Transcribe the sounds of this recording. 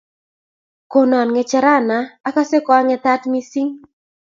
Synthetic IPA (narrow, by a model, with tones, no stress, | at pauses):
ko˨nɔ˨nŋɛ˨t͡ʃɛ˧ɾa˦na˨a˦ka˦se˦kɔ˨a˦ŋɛ˨t̪a˦tmi˦si˦ŋ